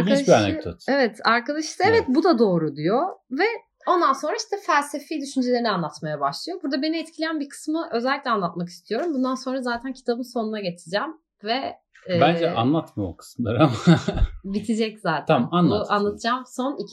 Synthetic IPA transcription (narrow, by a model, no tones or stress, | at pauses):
ʃianɛ̰d̪o̰t̪evɛt̪ʰaɾkad̪aʃɯt̪ɯevɛt̪bud̪ad̪o̞ːɾud̪ijo̞vɛ | o̞nd̪anso̞nɾaiʃt̪ʰɛfælʲse̞fiːd̪yʃynd͡ʒelʲe̞ɾinianlˠat̪majabaʃlˠɯjo̞buɾd̪abe̞niɛt̪cʰlʲijænbikʰɯ̥smɯʔø̞zɛlʲːicʲlʲɛanlˠat̪mak̬ist̪ʰijo̞ɾumbund̪anso̞nɾazaːt̪ʰæncʰi̥t̪ʰabɯmso̞nunaɟe̞t͡ʃ̪ʰiɾd͡ʒɛːm | vɛ | bænd͡ʒɛʔa̰nlˠat̪mɯo̰kʰɯ̥sɯmlˠa̰ɾamabit̪ʰid͡ʒɛczaːt̪ʰamanˠanlˠat̪ʰɯd͡ʒaːmso̞nic